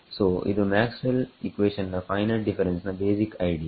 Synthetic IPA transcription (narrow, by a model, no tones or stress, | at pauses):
soːʔɪ̰t̪əmæːksməlikʋeːʃə̃nd̪əfaɪnɐlɖɪfɐɾə̃nsĩnd̪beːsikaɪɖija